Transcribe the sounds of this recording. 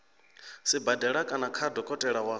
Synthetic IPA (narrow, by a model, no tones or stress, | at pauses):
sibadɛɺakʼanakʰadɔkʼɔtʼɛɺawa